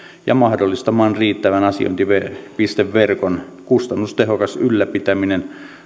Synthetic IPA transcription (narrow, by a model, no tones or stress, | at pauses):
jɑ̰mɑhdolːist̪ɑmɑːnriːt̪ːæʋænɑsḭo̰int̪iʋepist̪eʋʋerkon | kust̪ɑnːust̪ehokɑsylːæpit̪æminen